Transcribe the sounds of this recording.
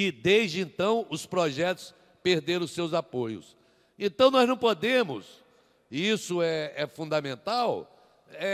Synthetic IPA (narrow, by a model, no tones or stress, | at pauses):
ɪd̪ezd͡ʒɪẽnt̪ɐ̃w̃ʊspɾɔʒɛt̪ʊ̥s | peɾd̪eɾɐ̃w̃sewzapojʊ̰s | ẽnt̪ɐ̃w̃nɔznɐ̃w̃pod̪ẽmʊ̰s | isʊɛɛfũnd̪ɐmẽnt̪aw | ɛ